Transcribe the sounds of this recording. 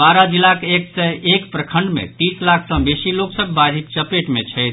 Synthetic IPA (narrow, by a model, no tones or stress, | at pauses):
baɾəd͡ʒilakeksɛekpɾəkʰəɳɖmḛt̪ĩslakʰsə̃besiloksəbːaɾʱikt͡ʃəpeʈmet͡ʃʰɛjt̪ʰ